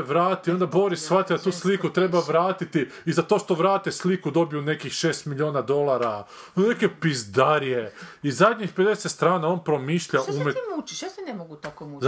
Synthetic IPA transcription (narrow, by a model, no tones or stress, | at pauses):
ʋɾaːt̪io̞nd̪abo̞ɾissʋat̪id̪at̪uːslikut̪ɾe̞baʋɾaːt̪it̪i | izat̪o̞ːʃt̪o̞ʋɾaːt̪eslikud̪o̞bijune̞kixʃe̞ːst̪miʎʲioːnad̪o̞lˠaɾane̞kepizd̪aɾijeizzad̪ʲɲixpe̞d̪esest̪ɾaːnao̞npɾo̞miːʃʎaumemut͡ʃiʃjsenemoɡut̪akomu